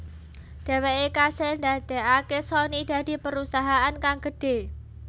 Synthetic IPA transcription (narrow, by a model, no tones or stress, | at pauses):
d̪̥ɛ̤weʔekasɛnd̪ad̪̥ɛʔakesɔnid̪̥ä̤d̪̥i̤pəɾusaɦaʔankaŋɡə̤ɖ̥e̤